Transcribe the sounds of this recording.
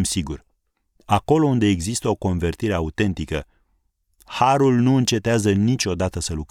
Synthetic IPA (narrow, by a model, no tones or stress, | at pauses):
msiɡur | ako̞lo̞und̪e̞ːɡzist̪əo̞ko̞nve̞rt̪iɾe̞aut̪e̞nt̪ikə | haɾulnuɨnt͡ʃe̞t̪eazənit͡ʃʲo̞d̪at̪əsəluk